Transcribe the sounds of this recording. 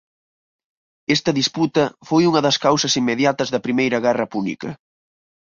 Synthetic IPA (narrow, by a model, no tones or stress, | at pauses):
ɛst̪ɐðisput̪ɐfojuŋɐðɐskawsɐsimːeðjat̪ɐzðɐpɾimejɾɐɣɛrɐpunḭkɐ